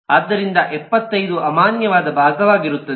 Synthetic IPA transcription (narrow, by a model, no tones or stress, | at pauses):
ɐd̪ːɐɾind̪ɐʔɛpːɐt̪ːɐjd̪uʔɐmaːnjɐʋaːd̪ɐbʱaːɡɐʋaːɡiɾut̪ːɐd̪e